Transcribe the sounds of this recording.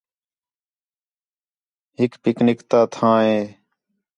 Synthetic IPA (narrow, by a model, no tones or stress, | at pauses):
ɦɪkpɪknɪkt̪aːt̪ʰãːɦẽː